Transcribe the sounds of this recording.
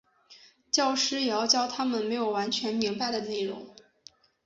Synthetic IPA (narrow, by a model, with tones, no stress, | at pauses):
t͡ɕjɑ˥˧ʊʂɻ̩˥jɑ˧˥ʊt͡ɕjɑ˥ʊt̪ʰa˥mə˨nme˧˥ɪjo˨˩ʊwa˧˥nt͡ɕʰɥɛ˧˥nmi˧˥ŋpa˥˧ɪd̪ə˩ne˥˩ɪɻʊ̰˧˥ŋ